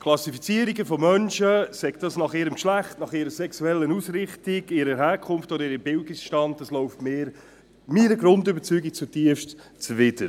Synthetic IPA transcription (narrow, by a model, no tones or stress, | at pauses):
kʰlɑsifit͡siəɾiɡəfɔmœnʃəsɛɡ̥dɑsnɑχɪːɾəmkʃlæχtnɑχɪɾəɾsɛksuɛlːənusɾɪχtiɡɪɾəɾɦhæːɾkʰʊnftɔdəɪɾəmbɪldisʃtɑnt̚dɑslɔʊftmeːɾ | miːɾəɡɾʊndʏbəɾt͡syːɡik̚t͡sutiəftt͡svɪd̥əɾ